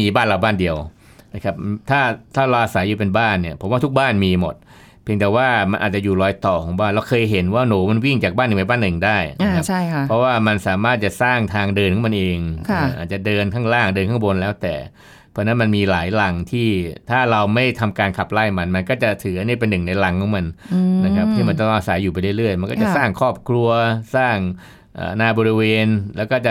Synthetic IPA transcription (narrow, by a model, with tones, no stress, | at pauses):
iː˧baː˥˩nla˨˩wbaː˥˩ndi˧əw | na˧˩kʰa˦˥p̚t̪ʰaː˥˩t̪ʰaː˥˩ɾa˧wʔa˧sa˩˦jːuː˧˩pe˧nbaː˥˩nːi˥˩ɐpʰo˩˦mwaː˥˩u˦˥k̚baː˥˩nmiː˧mo˨˩t̪̚ | pʰi˧ŋt̪ɛː˨˩waː˥˩ma˧nʔaː˨˩t̪̚t͡ɕa˨˩juː˨˩lɔː˧˦˥jt̪ɔː˨˩kʰɔː˨˩˦ŋbaː˥˩nɾa˧wkʰɤː˧jɦe˩˦nwaː˥˩noː˩˦ma˧nwi˥˩ŋt͡ɕaː˨˩k̚baː˥˩nɯ˨˩ma˧jbaː˥˩nːɯ˨˩ŋdaː˥˩jna˧kʰpʰpʰɾɔ˦˥waː˥˩ma˧nsaː˩˦maː˥˩t̪̚t͡ɕa˨˩saː˥˩ŋt̪ʰaː˧ŋdɤː˧nkʰɔ˨˦ma˧nʔeː˧ŋʰ˧˥˦ʔa̰ː˨˩t͡ɕa˨˩dɤː˧nkʰaː˥˩ŋɾaː˥˩ŋdɤː˧nkʰaː˥˩wo˧nlɛː˦˥wt̪ɛ̰ː˨˩ | pʰɔ˦˥˧na˦˥nma˧nmiː˧laː˩˦jla˨˧ŋt̪ʰiː˥˩t̪ʰaː˥˩ɾa˧wma˥˩jt̪ʰa˧mkaː˧nkʰa˨˩p̚la˥˩jma˧nma˧nkɔː˥˩t͡ɕa˨˩t̪ʰɯː˩˦ʔa˧ni˥˩pe˧nːɯ˨˩ŋna˧jla˨˦ŋkʰɔ˨˩˦ma˧nna˦˥kʰa˦˥p̚t̪ʰiː˥˩ma˧nt̪ɔ˥˩˥ŋʔa˧sa˩˦jːuː˨˩pa˧jlɯ˥˩lɯ˥˩əjma˧nkɔː˥˩t͡ɕa˨˩ʔsaː˥˩ŋkʰɔː˥˩p̚kʰɾu˧ɐsaː˥˩ŋ | ʔə̰ː˨˩naː˧bɔː˧ɾi˧weː˧nlɛː˦˥wkɔː˥˩t͡ɕa˨˩